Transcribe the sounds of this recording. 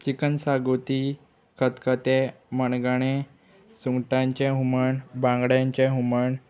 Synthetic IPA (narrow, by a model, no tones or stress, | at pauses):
t͡ɕikənsaɡot̪i | kʰət̪kət̪e | məɳɡaɽ̃ẽ | suŋɡʈãɲt͡ɕeɦuməɳbãŋɡɽjãɲt͡ɕeɦuməɳ